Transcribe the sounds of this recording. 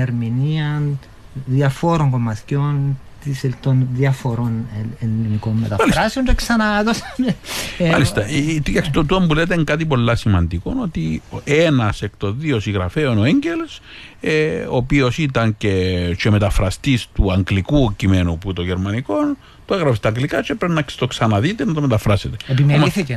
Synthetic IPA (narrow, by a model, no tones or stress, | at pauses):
eɾminiɐn | ðiɐfoɾoŋɡomɐθcont̪iset̪onðiɐfoɾonelːimikomːet̪ɐmɐlisɾɐseont̪oksɐnaðosenmɐlist̪ɐt̪kɐksit̪ot̪uɐmbule̞t̪̬eŋkɐt̪̬ipo̞lːɐsimɐnd̪iko̞no̞t̪ienɐsekt̪o̞ðio̞siɣɾɐfe̞ono̞eɲɟeles | eopio̞sit̪ɐnce̞t͡ʃe̞me̞t̪ɐfɾɐst̪ist̪uɐŋɡlikucime̞nuput̪oʝeɾmɐniko̞n | t̪oeɣɾɐfist̪ɐŋɡlikɐt͡ʃepɾeinɐkst̪o̞ksɐnɐðit̪enɐt̪omet̪ɐfɾɐset̪eepimeolmiθice